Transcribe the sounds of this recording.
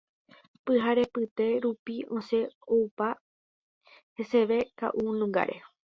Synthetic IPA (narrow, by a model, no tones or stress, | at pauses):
pɨɦaɾe̞pɨt̪e̞ɾupiõse̞owpa | he̞se̞ʋe̞ka̰ʔunũŋɡa̰ɾʔe̞̰